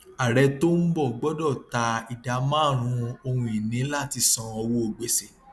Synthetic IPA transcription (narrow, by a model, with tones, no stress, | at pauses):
a˨ɾɛ˧to˦n̩˦bɔ˦˨ɡ͡bɔ˦dɔ˦˨ta˧i˨da˨˦mãː˦˨ɾ̃ũ˧˦o˧hũ˧i˨nĩ˨˦la˦˨ti˧sɔ̃˧ɔ˧wo˦o˨ɡ͡be˨˧se˨